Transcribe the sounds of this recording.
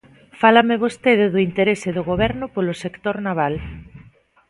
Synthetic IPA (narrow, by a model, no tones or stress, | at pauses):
falameβ̞ost̪eðɪðʊint̪eɾesɪðoɣoβ̞ɛɾnʊpolosekt̪oɾnaβ̞al